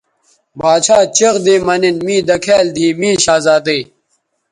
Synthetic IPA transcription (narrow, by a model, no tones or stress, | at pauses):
baːt͡ɕʰaːt͡ɕeɣd̪eːmɐninmiːd̪ɐkʰeːld̪ʱiːmĩːɕaːzaːd̪ɐj